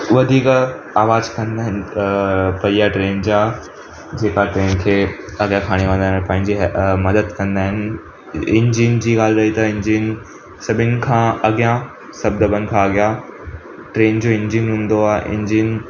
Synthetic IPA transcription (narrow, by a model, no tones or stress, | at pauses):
ʋɐd̪ʱiːk | aːʋaːzkɐ̃nd̪aːɦɪn̆ | pɐiaʈɾeːnd͡ʑaː | d͡ʑeːkaʈɾeːnkʰeːɐɡjãkʰaːɽ̃eʋɐ̃nd̪aːɪnpɐ̃ɦɪ̃ɲd͡ʑiɦmɐd̪əd̪kɐ̃nd̪aːɦɪnɪ | ɪ̃ɲd͡ʑiːnd͡ʑiːɡaːlɾɐit̪ɐɪ̃ɲd͡ʑiːn | sɐbʱɪnɪ̆kʰãːɐɡjã | sɐb̚d̪ɐbənɪ̆kʰãːɐɡja | ʈɾeːnd͡ʑoːɪ̃ɲd͡ʑinɦũːn̆d̪oaːɦʔɪ̰̃ɲd͡ʑiːn